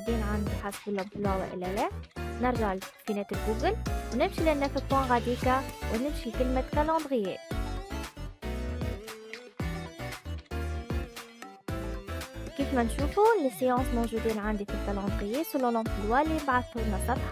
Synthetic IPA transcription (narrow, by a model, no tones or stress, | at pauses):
d̪iːnʕand̪iħasbəlːʊmfilwaːwa̰ʔɪ̰lːælɛːnəɾʒaʕlfinɛːt̪əlɡuːɡəlwnɪmʃilɪnːɛsət̪̚kunɣad̪iːkawnɪmʃilkɪlmakalɑ̃ːd̪ɣəjːɛː | kiːfmɛnʃuːfulɪsːəjɑ̃ːsmowʒud̪iːnʕand̪ifilkalɑ̃d̪ɣɪjːɛːsʊlːolʊmfilwaːlimbaʕad̪shud̪nɑsˤɑt̪ħ